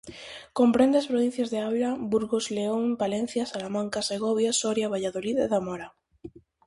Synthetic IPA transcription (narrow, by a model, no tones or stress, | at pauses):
kompɾend̪easpɾoβ̞in̟θjazðeawlabuɾɣozleombalẽn̟θjasalamãŋkaseɣoβjasoɾjaβaʎaðoliðeðamoɾa